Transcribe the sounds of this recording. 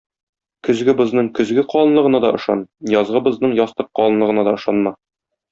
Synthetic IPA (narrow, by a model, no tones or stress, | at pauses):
kɵ̆zɡɘ̆bɤ̆znɤɴkɵ̆zɡɘqɒlˠɤ̆nlˠɤ̆ʁɤ̆nɑd̪ɒʔɤ̆ʃɑ̰njɒzʁɤ̆bɤ̆znɤɴjɒst̪ɤq̚qːɒlˠɤ̆nlˠɤ̆ʁɤ̆nɑd̪ɒɤ̆ʃɑnmɑ